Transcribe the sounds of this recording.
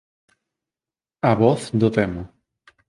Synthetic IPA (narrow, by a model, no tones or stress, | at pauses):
aβɔθd̪ʊt̪ɛmʊ